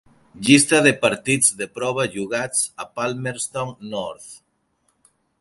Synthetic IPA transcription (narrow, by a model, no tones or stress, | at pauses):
ʎist̪aðepaɾt̪id͡zðepɾɔβ̞aʒuɣat͡sapalmeɾst̪oŋnɔɾt̪